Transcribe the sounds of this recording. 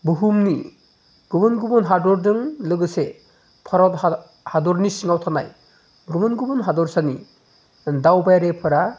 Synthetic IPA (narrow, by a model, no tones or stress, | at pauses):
buɦumni | ɡ̥ubɯnɡubɯnɦaɾdɔɾdɯŋlɯɡɯse | pʰaɾawt | hadɔɾnisiŋawtʰanaj | ɡubɯnɡubɯnɦadɔɾsani | dawbajaɾepʰɯɾa